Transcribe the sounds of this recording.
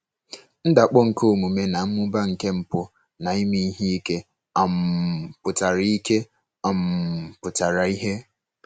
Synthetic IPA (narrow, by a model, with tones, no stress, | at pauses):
n̩˦da˨k͡pɔ˦ŋ̩˨ko˦˨mu˨me˦na˨m̩˦mʊ˦ba˦ŋ̩˨ke˦m̩˨pʊ˦ | na˨i˦mi˦i˦ɦi˦i˦ke˦ | a˨m̩˨pʊ˨ta˨ɾi˦ke˦ | a˨m˨pʊ˨ta˨ɾa˨i˦ɦe˦